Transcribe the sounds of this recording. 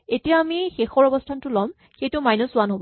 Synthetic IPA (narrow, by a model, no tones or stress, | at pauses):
etijaːmixexɔɹɔbɔstʰantʊlɔm | xejtʊmajnɔsʊwanɦobɔ